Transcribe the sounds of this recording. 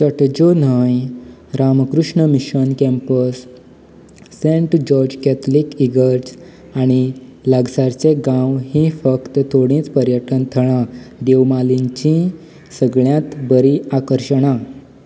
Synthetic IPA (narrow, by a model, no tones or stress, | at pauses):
səʈd͡ʑonaj | ɾamkɾuʂɳəmiɕənkɛ̃mpəs | ẽɳʈd͡ʑɔɾd͡ʑkɛt̪ʰlikiɡəɾd͡z | aɽ̃ilaɡsaɾt͡seɡãwɦĩfəkt̪ət̪ʰoɽ̃ĩt͡spəɾjəʈənt̪ʰəɭ̃ãd̪ewmaliɲt͡ɕĩ | səɡɭjãt̪bəɾiakəɾɕəɽ̃a